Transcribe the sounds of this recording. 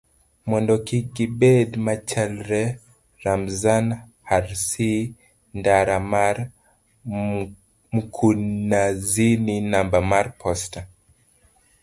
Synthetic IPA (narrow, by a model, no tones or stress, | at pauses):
mwɛndɔkiɡibɛdmat͡ʃɛlɾɛ | ɾamzan | haɾsi | ndaɾamaɾ | m̩kʰunazininambamaɾpʰɔsta